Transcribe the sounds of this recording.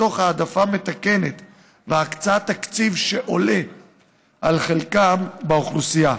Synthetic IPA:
o̞χhaːd̪afame̞t̪ake̞ne̞t̪ | veakt͡sat̪akt͡sivʃe̞ʔo̞le̞ | ʔalχelkambeoχlusija

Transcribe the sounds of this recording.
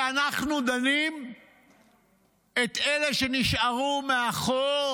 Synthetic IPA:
anaχnud̪anim | e̞t̪ele̞ʃe̞niʃaʁumeaχo

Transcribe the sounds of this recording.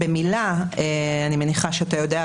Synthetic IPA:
bemilaeanime̞niχaʃeatajo̞dea

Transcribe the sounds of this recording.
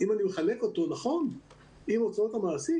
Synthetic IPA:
imanimeχale̞ko̞t̪o̞naχo̞n | imot͡sot̪amaːsi

